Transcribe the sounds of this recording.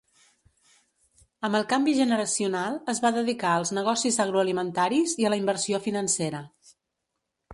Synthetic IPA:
əmbəlˠkambiʒənəɾəsiunalˠəzβaðəðikaəlˠznəɣ̞ɔsizəɣ̞ɾuəlimənt̪aɾiziələimbərsiofinənseɾə

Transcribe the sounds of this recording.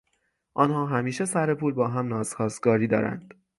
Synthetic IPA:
ʔɒːnhɒːɦæmiːʃesæɾepuːlbɒːɦæmnɒːz̥xɒːsɡɒːɾiːd̪ɒ̰ːɾæ̰nd̪̥

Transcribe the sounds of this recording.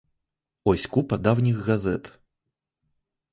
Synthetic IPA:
ɔsʲkupɐd̪awnʲiɣɣazɛt̪

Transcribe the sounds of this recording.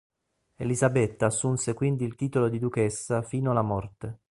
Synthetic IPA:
elizabet̪ːaːsːunsekwind̪iːlt̪iːt̪olod̪id̪ukesːafiːnoalːamɔrt̪e

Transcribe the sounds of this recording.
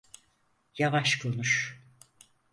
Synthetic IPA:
javaʃkʰonuʃ

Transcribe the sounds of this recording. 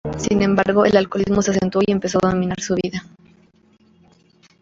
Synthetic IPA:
sinẽ̞mbaɾɣo̞elalko̞lizmo̞seasent̪wo̞iempe̞soðomĩnaɾsuβiða

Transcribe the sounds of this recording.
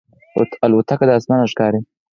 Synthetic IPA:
t̪alʊt̪ʰakad̪əasmɑːnaʂkɑːɾi

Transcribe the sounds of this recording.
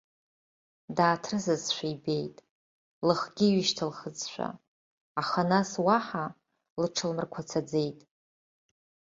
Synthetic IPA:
daːtʰrɨzɨzʃʷᶣaibe̞jtʼ | lɨχɡʲiɥɪʃtʰalχəd͡zʃʷᶣa̰ | aχanaswaħa | lɨʈ͡ʂʰɨlmɨrkʷʰat͡sʰad͡ze̞jtʼ

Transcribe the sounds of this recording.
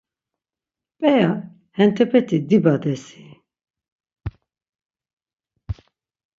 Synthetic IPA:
pʼɛa | hɛnt̪ʰɛpʰɛt̪ʰid̪ibad̪ɛsi

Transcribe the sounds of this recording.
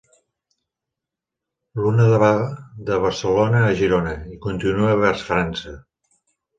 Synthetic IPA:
lunəðəβaðəβ̞əɾsəlonəːʒiɾonəikunt̪inuəβɛrsfɾansə

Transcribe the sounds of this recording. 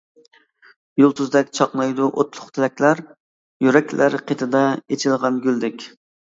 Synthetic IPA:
julˠt̪ʰuzd̪ɛkʲt͡ʃʰɑqlˠɑjd̪uʔot̪lˠʊqt̪ʰɪlɛkʲlæɾ | jyɾɛkʲlæɾqʰet̪ʰɨd̪ɛet͡ʃʰilˠʁɑnɡʲyld̪ɪkʲ

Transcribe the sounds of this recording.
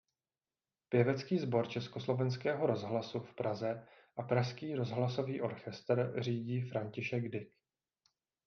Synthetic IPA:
pjɛvɛt͡skiːzbo̞ɾt͡ʃɛskoslo̞vɛnskɛːɦo̞ɾo̞zɦlasufpɾazɛ | ʔapɾaʃskiːɾo̞zɦlaso̞viːʔo̞ɾxɛst̪rriːɟiːfɾaɲcɪʃɛɡdɪk

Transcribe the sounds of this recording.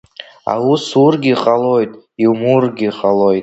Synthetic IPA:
a̰wusurɡʲiqʼalojtʼ | iwmurɡʲiqʼalojtʼ

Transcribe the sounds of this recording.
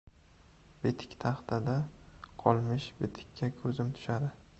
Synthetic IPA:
bet̪ʰɪ̥kʲt̪ʰɑχt̪ʰad̪aqʰɒlˠmɪʃbet̪ʰɪ̥kʲʰːakʰɵzɪmt̪ʰʊ̥ʃad̪ɪ

